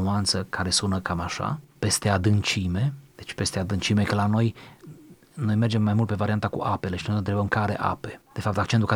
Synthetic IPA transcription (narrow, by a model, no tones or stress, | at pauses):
uant̪səkaɾe̞sunəkamaʃa̰pe̞st̪e̞ad̪ɨnt͡ʃime̞d̪̥et͡ʃʲpe̞st̪e̞ad̪ɨnt͡ʃime̞kəlano̞j | no̞jme̞rd͡ʒe̞mːajmult̪pe̞vaɾiant̪akṵʔape̞le̞ʃino̞jɨnt̪ɾe̞bəmkaɾe̞̰ʔa̰pe̞d̪̥e̞fap̚t̪ak̚t͡ʃe̞nt̪ulka